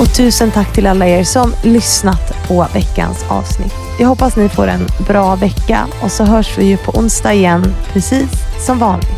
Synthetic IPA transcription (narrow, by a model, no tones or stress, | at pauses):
ɔt̪ʰʉ̟ːsənt̪ʰakːt̪ʰɪlalːaeːɾʂɔnːlʏsnat̪pʰɔvɛkːa̰nsɑ̰ːvsnɪ̰t̪ːjaːhɔpːasnɪfo̰ːɾɛ̰nbɾɑːvɛkːa̰ | ɔsɔɦœːʂvɪjɵpʰɔʔʊnst̪ɑːɪjɛnːpʰɾɛsiːsːɔmvɑːnɪ̰